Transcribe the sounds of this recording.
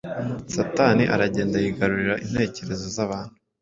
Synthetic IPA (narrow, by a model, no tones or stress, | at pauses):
sataːniʔaɾaɟe̞ːndajiɡaɾuɾiɾaʔinhe̞ːce̞ɾe̞zo̞zaβaːn̥hu